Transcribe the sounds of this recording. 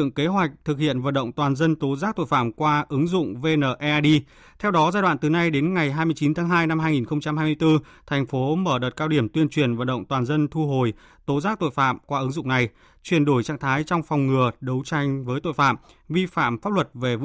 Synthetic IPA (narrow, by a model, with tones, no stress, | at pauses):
ɨ̰˧˨ə˨ŋke˨˦ɦwa˨˩jk̟̚t̪ʰɨ˨˩k̚hḭ˧˨ənvə̰˧˨nɗə̰˧˨wŋ͡mt̪waː˨˩nzə˧nt̪o˨˦zaː˦˥k̚t̪o̰˧˨jfa̰ː˧˨mkwaː˧ʔɨ˨˦ŋzʊ̰˧˨ŋ͡mve˧nəː˨˩ʔɛ˧ʔa˧ɗi˧ | t̪ʰɛ˧wɗɔ˨˦zaː˧jɗwa̰ː˧˨nt̪ɨ˨˩na˧jɗe˨˦nŋa˨˩jɦaː˧jmɨ˧ət͡ɕi˨˦nt̪ʰaː˨˦ŋɦaː˧jna˧mhaː˧jŋi˨˩nxə˧wŋ͡mt͡ɕa˧mɦaː˧jmɨ˧əjt̪ɨ˧ | t̪ʰa˨˩jŋ̟fo˨˦məː˧˩ɗəː˨˩t̚kaː˧wɗi˧˩əmt̪wi˧ənt͡ɕwi˧˩ənvə̰˧˨nɗə̰˧˨wŋ͡mt̪waː˨˩nzə˧nt̪ʰu˧ɦo˨˩j | t̪o˨˦zaː˦˥k̚t̪o̰˧˨jfa̰ː˧˨mkwaː˧ʔɨ˨˦ŋzʊ̰˧˨ŋ͡mna˨˩j | t͡ɕwi˧˩ənɗo˧˩jt͡ɕa̰ː˧˩ŋt̪ʰaː˨˦jt͡ɕɔ˧wŋ͡mfɔ˨˩wŋ͡mŋɨ˨˩əɗə˨˦wt͡ɕa˧jŋ̟vəː˨˦jt̪o̰˧˨jfa̰ː˧˨m | vi˧fa̰ː˧˨mfaː˦˥p̚lwə˨˩t̚ve˨˩v